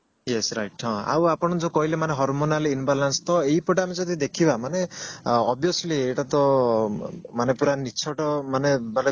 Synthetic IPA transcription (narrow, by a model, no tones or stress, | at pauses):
jesɾajʈɔ̃a̰wapɔɽ̃ɔd͡ʒɔkɔɦilemaneɦɔɾmonalinbalanst̪ɔeɦipɔʈamid͡ʒɔd̪ʱid̪ekʰibamaneɔbjoslieʈat̪ɔ | manepuɾanit͡ʃʰɔʈɔmaneban